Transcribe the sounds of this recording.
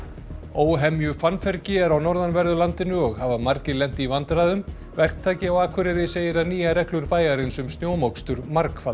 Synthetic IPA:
oːwɦɛmjʏfanfɛɾcɪɛɾawnɔɾðanvɛɾðʏlant̪ɪnʏɔɣhavamaɾcɪlɛm̥t̪ivant̪ɾaːðʏm | vɛr̥k̚t̪ʰaːjcɪawaːkʰvʏɾɪɾɪseːjɪɾaniːjaɾɛklʏɾpaːjɣaɾɪnsʏmst̪njoːwmowkst̪ʏɾmaɾkfa

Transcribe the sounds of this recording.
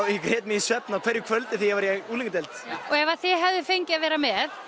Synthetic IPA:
ikɾɛːt̪mɪisvɛpnakʰvɛːɾjʏkʰvœlt̪ɪθijɛvaɾjɛɣuːliŋkt̪ɛlt̪ɔɛvaθɪɦɛvðʏfejɲcɪaðvɛːɾamɛð

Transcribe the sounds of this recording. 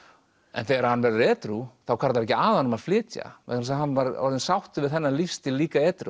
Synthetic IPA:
ɛ̰nθɛːɣɾahanvɛɾðʏɾɛːt̪ɾuθawkʰaɾt̪aɾɛcɪaːðanmaðflɪːt̪ja̰ɛk̪ɾs̬ahanvaɾɔ̰ɾðɪnsawht̪ʏvɪðθɛnːalifst̪ɪliːkaɛːt̪ɾṵ

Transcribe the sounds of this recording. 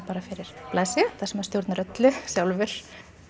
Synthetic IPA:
paːɾafɪɾɪɾ̥plaːjsɪʏθasɛmɛɾst̪jowɾt̪naɾœt̪lʏsjawlvʏɾ̥

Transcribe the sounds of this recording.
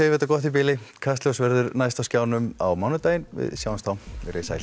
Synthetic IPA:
eːjvɛt̪akɔht̪ip̬ɪːlɪkʰast̪lœwsvɛɾðʏɾnajst̪awscaːwnʏma̰wmawnʏt̪aːjɪnʋɪ̰ðsjawanst̪ʰawmɪ̰ɾeːsa̰j̪

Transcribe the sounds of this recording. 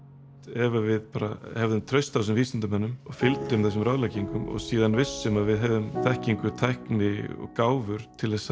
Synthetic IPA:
t̪ɛvavɪðpaːɾahɛvðʏmt̪ʰɾœɥst̪aws̬ɪmviːst̪ant̪amɛnːʏmɔɣfɪlt̪ɪmθɛs̬ʏmɾawðlajciŋkʏmɔ̰ɣsiːðanvɪsːɛmaðvɪðɦɛvðʏmθɛhciŋkʏt̪ʰajhknɪɔ̰ɣkaːwvʏɾ̥t̪ʰɪlθɛs

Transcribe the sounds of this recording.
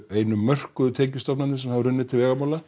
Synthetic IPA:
eːjnʏmːœr̥kʏðʏt̪ʰɛːcʏst̪ɔpnat̪nɪsɛmhavʏɾrʏnːɪt̪ʰɪlvɛːɣamawla

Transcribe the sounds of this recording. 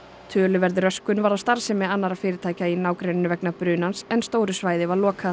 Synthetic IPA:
t̪ʰœːlʏvɛɾðɪɾœskʏnvaɾawst̪aɾ̥sɛmɪanːaɾafɪːɾɪt̪ʰaːjcainaːwkɾejnɪnʏvɛknapɾʏːnansɛnst̪oːwɾʏsvaːjðɪvaɾlɔːkʰa

